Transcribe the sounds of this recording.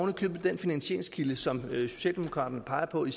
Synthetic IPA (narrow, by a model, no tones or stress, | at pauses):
ʊnəkʰøːb̥̩ˠd̥enfinænɕḛɐeŋskʰiləsɒ̽msɔ̥ɕɛ̰ld̥emo̝̥kʰʁɑ̰̈ːd̥ɐnəpʰɑ̈ɪɐpʰɒ̽is